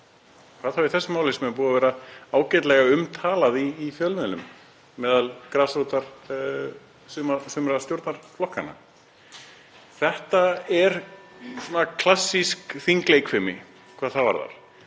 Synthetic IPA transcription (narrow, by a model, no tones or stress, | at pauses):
kʰv̥aːðθawiθɛsːʏmawlɪsmɛp̬uːðavɛːɾaaːwcɛt̪lɛɣaʏmt̪ʰaːlaðiːfjœlmɛðnʏ̰mː | ɛːðalkɾasɾuːt̪aɾ̥ | sʏmasʏːmɾast̪jowɾt̪naɾ̥flɔhkana̰ | θɛht̪aɛɾsɔːnakʰl̥asːiskθiŋklejkfɪmɪ̰ | kʰv̥aːðθava̰ɾða̰ɾ̥